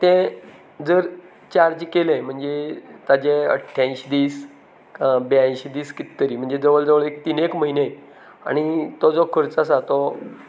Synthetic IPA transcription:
t̪ɛ̃ | d͡zəɾ | t͡ɕaɾd͡ʑkelẽm̤əɳd͡zet̪ad͡ʑẽə̰ʈʰːjãɕid̪iːs | bjãɕid̪iːskit̪ːəɾiːm̤əɳd͡zed͡zəʋəɭd͡zəʋəɭekt̪inekməɦine | a̰ɽ̃it̪ɔd͡zɔkʰəɾt͡sasat̪ɔ

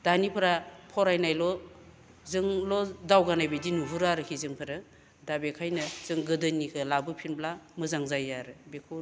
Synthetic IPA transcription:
d̥anipʰɾapʰɔɾajnajlɔ | zɯŋlɔdawɡanajbedinuɦuɾaɾɯkʰizɯŋpʰɯɾɯ | dabekʰajnɯz̥ɯŋɡɯdɯnikʰɯlabɯpʰinblamɯzaŋzajaɾɯbekʰu

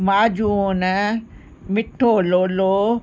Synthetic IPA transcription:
maːd͡ʒunə | mɪʈʰːoːloːloː

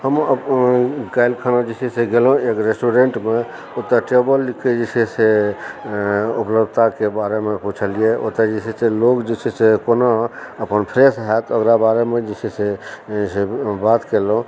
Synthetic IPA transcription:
həmə | ɡajlkʰanad͡ʒisʰiseɡelɦũekɾesʈuɾeɳʈme | ot̪aʈebəlːikʰːed͡ʒisʰese | upləb̪ʱt̪akebaɾemeput͡ʃʰəlijeʔo̰t̪ad͡ʒisʰiselokd͡ʒit͡ʃʰisekonaəpənpʰɾesɦat̪əkɾabaɾemed͡ʒisʰisesebat̪kelɦũ

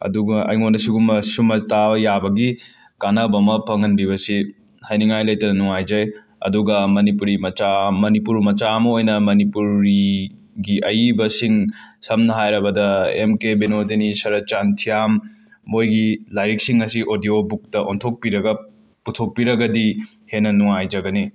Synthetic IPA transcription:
ɐ̰duɡɐʔɐ̰jŋonɐsiɡumɐsumɐtajabɐɡi | kanɐbɐmɐpʰɐŋɐnbibɐsi | hajniŋajlɐjtɐnɐnuŋajd͡ʒɐj | ɐ̰duɡɐmɐnipuɾimɐt͡ʃamɐnipuɾmɐt͡ʃamɐojnɐmɐnipuɾi | ɡiʔɐjibɐsiŋsɐmnɐɦajɾɐbɐdɐḛmkebenodenisɐɾɐt͡ʃantʰijamː | ojɡilajɾik̚siŋɐsiʔodiobuk̚tɐʔontʰok̚piɾɐɡɐ | putʰok̚piɾɐɡɐdi | henɐnuŋajd͡ʒɐɡɐni

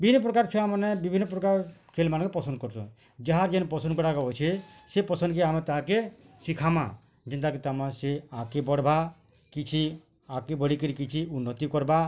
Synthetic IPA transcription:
bibʱinːɔp̬ɾɔkaɾt͡ʃʰɔamanebibʱinːɔp̬ɾɔkaɾkʰelmanɔŋkepɔsɔnd̪kɔɾt͡ʃʰɔ̰̃ | d͡ʒaɦaɾd͡ʒenpɔsɔnd̪kɔɾakaɔjt͡ʃʰesepɔsɔnd̪keamet̪aɦake | sikʰama̰ | d͡ʒɛnt̪̬akit̪amaseakebɔɽba | kit͡ʃʰi | akebɔɽikəɾikit͡ʃʰiunːɔt̪ikɔɾba

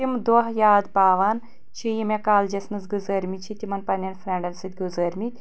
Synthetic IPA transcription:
imd̪oɦjaːd̪baːʋan | t͡ʃʰijimekaːld͡ʒɐsnɨzɡɨzɐɾmit͡ʃʰit̪ʲimɐnpɐnʲɐnfɾʲɐɳɖɐnsɨt̪̚ʲɡuzɐɾmit̪ʲ

